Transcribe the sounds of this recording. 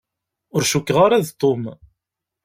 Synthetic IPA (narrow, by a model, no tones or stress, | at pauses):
ʊɾʃukːʁaɾæðt̪ˤːom